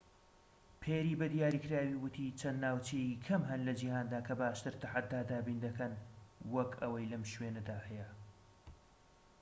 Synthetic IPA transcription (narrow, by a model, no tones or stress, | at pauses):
pʰeːɾiːbɐd̪ijaːɾiːkʰɾaːwiwʊt̪ʰit͡ʃʰɐnd̪naːwt͡ʃejikʰɐmɦɐnlɐd͡ʒihaːnd̪aːkʰɐbaːʃt̪ɨɾt̪ʰaħat̪̚d̪aːd̪aːbiːnd̪ɐkʰɐnwɐkʰɐwɐjlɐmʃwenɐd̪aːhɛjɛ